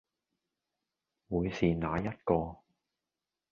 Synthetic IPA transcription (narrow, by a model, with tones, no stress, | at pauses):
wuː˨˧jsiː˨naː˨˧jɐ˥t̚kɔː˧